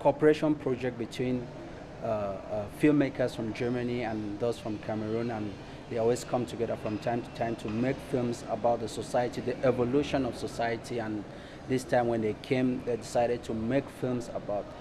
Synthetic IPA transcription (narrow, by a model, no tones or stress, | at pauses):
kʰɔpəɹeʃɔ̃npʰɹ̥ɔd͡ʒɛk̚t̚bitʰwĩn | filˠmekʰə˞sfɹɔ̃md͡ʒɜ˞məniə̃nðoz̥fɹɔ̃mkʰaməɹũnə̃n | ðeɔlwiskʰʌ̃mtʰuɡɛðə˞fɹɔ̃mtʰãɪ̃mtʰu̥tʰãɪ̃mtʰumekfilˠmzəbaʊt̪̚ðəsɔsaɪətiðiʔɛvɔluʃɔ̃nɔv̥sɔsaɪətʰiə̃n | ðɪstʰãɪ̃mwɛ̃nðeɪkʰẽmðedɪsaɪɾɛd̚tʰumekfilˠmzə̰baʊt̚